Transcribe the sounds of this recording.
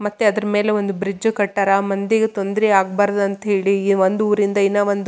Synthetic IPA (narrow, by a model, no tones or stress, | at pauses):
mɐt̪ːeɐd̪ɐɾɐme̞ːleʋond̪ubɾid͡ʒːkɐʈːɐɾɐmɐnd̪eɡet̪o̞nd̪ɾiaːɡ̚baːɾɐd̪ɐnt̪ɐɦe̞ːɭiʋond̪uuːɾind̪ɐinːɐʋɐnd̪u